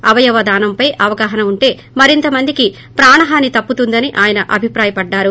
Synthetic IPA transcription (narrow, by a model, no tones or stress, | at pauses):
ɐʋɐjɐʋɐd̪aːnɐmpɐjʔɐʋɐɡaːɦɐnɐuɳʈe̞ː | mɐɾint̪ɐmɐnd̪iki | pɾaːɳɐɦaːnːit̪ɐpːut̪und̪ɐniʔaːjɐnɐʔɐbʱipɾaːjɐpɐɖːaːɾu